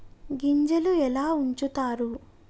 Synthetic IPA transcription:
ɡiɲd͡ʒɐluɛlaːuɲt͡ʃut̪aːɾu

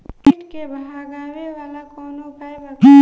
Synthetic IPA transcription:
iʈkebʱɦaɡaːweʋaːlakɔːnokajba

